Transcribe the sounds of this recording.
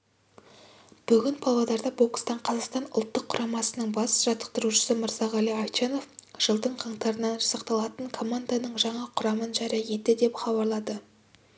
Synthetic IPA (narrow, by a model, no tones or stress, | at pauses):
b̥ʏɡʲɪnpʰɑlˠɑd̪ɑɾd̪ɑbo̞kst̪ɑɴqʰɑzɑqst̪ɑnʊ̰lˠt̪ːəqʰːʊɾʔɑmɑsənəɴbɑsʒɑt̪ə̥q̚t̪əɾuʃə̥səməɾzɑʁɑlˠijɑjt͡ʃeno̞fʒ̥əlˠd̪əɴqʰɑɴt̪ɑɾənɑnʒɑsɑqt̪ɑlˠɑt̪əɴkʰo̞mand̪anəɴʒɑɴɑqʰʊɾɑmənʒɑɾijɑje̞t̪ːɪd̪e̞pχɑbɑɾlˠɑd̪ə